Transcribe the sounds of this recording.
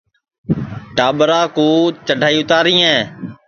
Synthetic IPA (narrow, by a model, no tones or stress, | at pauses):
ʈaːɓɾãːkoːt͡ʃəɖʱaːiːʊt̪aːɾĩːɛ̃ː